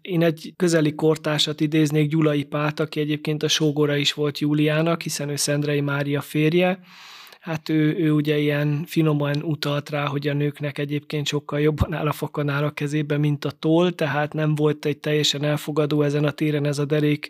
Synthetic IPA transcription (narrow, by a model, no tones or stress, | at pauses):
eːnɛɟkøzɛlːiko̞rt̪aːʃɒt̪id̪eːzneːɡɟulɒjipaːt̪ɒkiɛɟeːp̚keːnt̪ɒʃoːɡoɾɒiʃʋo̞lt̪juːlijaːnɒkhisɛnøːsɛnd̪rɛjimaːɾijɒfeːrjɛ | hat̪øːøːuɟɛijɛnfino̞mnut̪ɒlt̪raːɦo̞ɟɒnøːknɛkɛɟeːp̚keːnt̪ʃo̞kːɒljo̞bːɒna̰ːlɒfɒkɒnaːlɒkɛzeːbɛmint̪ɒt̪oːlt̪ɛɦaːt̪nɛɱvo̞lt̪ɛɟ̚t̪ɛjːɛʃɛnɛlfoɡɒd̪oːɛzɛnɒt̪eːɾɛnɛzɒd̪ɛɾeːk